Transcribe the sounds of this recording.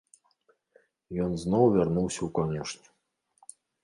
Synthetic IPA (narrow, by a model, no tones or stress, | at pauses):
jɔnznɔwvʲarnuwsʲɐwkɔnʲɛʂnʲɛ̥